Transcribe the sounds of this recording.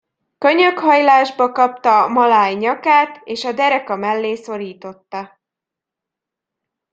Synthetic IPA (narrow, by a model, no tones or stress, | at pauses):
kø̞ɲøkhɒjlaːʒbɒkɒp̚t̪ɒmɒlaːjɲɒkaːt̪eːʃɒd̪ɛɾɛkɒmɛlːeːso̞ɾiːt̪o̞t̪ːɒ